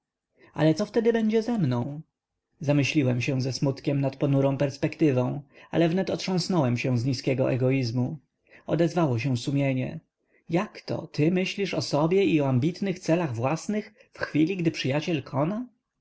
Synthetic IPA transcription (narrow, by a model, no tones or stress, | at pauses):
a̰lɛt̪sɔft̪ɛd̪ɘbɛɲd͡ʑɛzɛmnɔ̃w̃ | zamɘɕlʲiwɛmɕɛ̃zɛsmut̪kʲɛmnat̪pɔnuɾɔ̃w̃pɛɾspɛkt̪ɘvɔ̃w̃a̰lɛvnɛt̪ɔtʂɔ̃w̃snɔwɛmɕɛ̃zɲiskʲɛɡɔʔɛ̰ɡɔizmu | ɔd̪ɛzvawɔɕ̬ɛw̃sumʲjeɲɛ̰ | jakt̪ɔ̰t̪ɘmɘɕlʲiʂɔsɔbʲjɛiɔambʲit̪nɘxt̪sɛlaɣvwasnɘx | fxfʲilʲiɡd̪ɘpʂɘjat͡ɕɛlkʰɔna